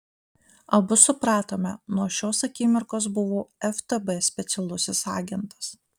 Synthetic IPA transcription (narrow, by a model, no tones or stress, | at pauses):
ɐbʊsʊpɾɑːt̪oːmʲɛnuɔʃʲoːsɐkʲɪmʲɪɾkoːsbʊʋoːɛft̪ɛbɛsʲpʲɛt̪sʲɛlˠʊsʲɪsɑ̰ːɡʲɛnt̪ɐ̥s